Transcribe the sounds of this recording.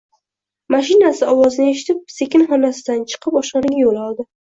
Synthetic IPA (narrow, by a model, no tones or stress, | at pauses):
maʃɪnasɪɒwɒzɪnɪe̞ʃɪ̥t̪ʰɪp̚se̞kʲɪnχɒnasɪd̪ant͡ʃʰɨ̥qʰpɒʃqɑnɪɡʲajolɒlˠd̪ɪ